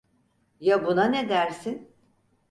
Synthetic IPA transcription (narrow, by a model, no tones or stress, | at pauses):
jabunaned̪æɾsin